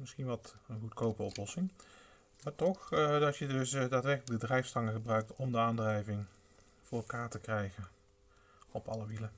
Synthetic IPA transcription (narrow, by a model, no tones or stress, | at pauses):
mɪsχinʋɑtənχutkowpərɔplɔsɪŋ | maːɹtɔχdɑtjədɵsdaːtʋɛrkləɡ̚dədrɛjfstɑŋəχəbrœɥk̚tɔmdəaːndrɛjvɪŋ | vʊːɹɛlˠkaːɹtəkrɛjɣən | ɔpɑləʋilə